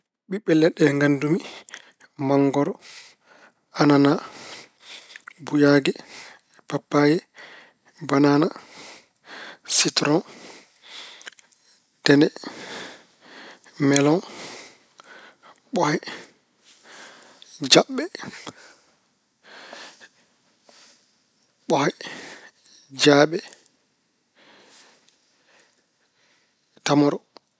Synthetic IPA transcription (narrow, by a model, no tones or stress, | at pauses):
ɓiɓɛlːɛɗɛŋɡandumi | maŋɡɔɾɔ | anana | bujaɡɛ | papːajɛ | banana | sitɾɔn | d̥ɛnɛ | mɛlɔn | ɓɔhɛ | d͡ʒaɓːɛ | ɓɔhɛ | d͡ʒaːɓɛ | tamɔɾɔ